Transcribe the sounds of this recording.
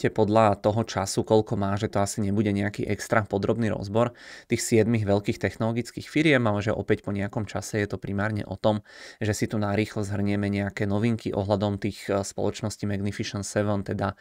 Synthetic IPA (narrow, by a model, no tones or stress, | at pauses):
cɛpɔd̪ʎat̪ɔɦɔt͡ʃasukɔʎkɔmaːʒɛt̪ɔasiɲɛbuɟɛɲɛakḭʔɛkst̪ɾapɔd̪ɾɔbniɾɔ̰zbɔɾt̪iːxsɪɛd̪miɣʋɛʎkiːxt̪ɛxnɔlɔɡit͡skiːxfiɾɪɛmalɛʒɛʔɔ̰pɛcpɔɲɛakɔmt͡ʃasɛjɛt̪ɔpɾimaːɾɲɛ̰ʔɔ̰t̪ɔmʒɛsit̪unaɾiːxlɔzɦr̩ɲɛmɛɲɛakɛːnɔʋiŋkiʔɔ̰ɦlad̪ɔmt̪iːxspɔ̰lɔt͡ʃnɔscimɛɡnifiʃɔnsɛʋɔnt̪ɛd̪a